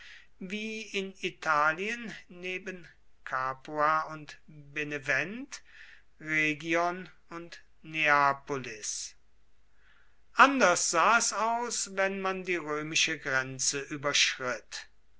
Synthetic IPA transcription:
viːɪnitʰaːliənːeːbən | kʰaːpuaʊntbenevɛnt | ʁeːɡjɔn | ʊnt | neaːpolɪs | ʔandɐsz̥aːɛsaʊsvɛnmandiːʁøːmɪʃəɡʁɛnt͡səʔyːbɐʃʁɪt

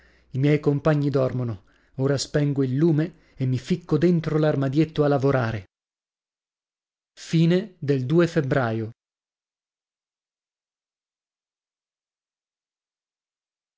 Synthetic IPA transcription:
imjɛjkompaɲːid̪ɔrmono | oːɾaspɛŋɡoilːuːmeː | mːifikːod̪ent̪ɾolarmad̪jet̪ːoalːavoɾaːɾe | fiːned̪eld̪uːefebɾaːjo

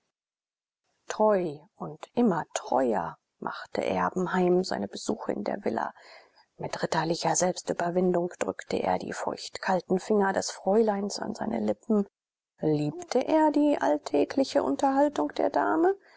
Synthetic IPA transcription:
tʁ̥ɔʏʔʊntʔɪmɐtʁ̥ɔ̰ʏɐ̰ | mʔa̰χtʰə̰ʔɛɐbm̩haɪmza̰ɪnəbəz̥uːxəɪ̰ndḛːɐvɪ̰lɐ̰ | mɪtʁ̥ɪtɐlɪçɐzɛlpstʔyːbɐvɪndʊŋkd̥ʁʏktʰəʔḛːɐdḭːfɔ̰ɪçtkʰaltn̩fɪŋɐdɛsfʁ̥ɔʏlaɪnsa̰nzaɪnə̰lɪpm̩ | liːptʰəʔeːɐdiːʔa̰ltʰɛːkʰlɪçəʔʊntɐhaltʊŋkd̥eːɐdaːmə

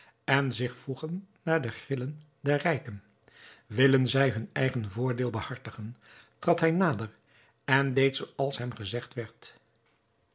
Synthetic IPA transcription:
ɛnzɪχfuχənː | aːɹdəχrɪlən | dɛɹrɛjkən | ʋɪlənzɛjɦɵnɛ̰jχənvʊːɹdɪːlˠbəhɑɹtəχəntrɑtɦɛjnaːdər | ɛndejtsowɑlˠsɦɛmχəzɛχtʋɛɹt

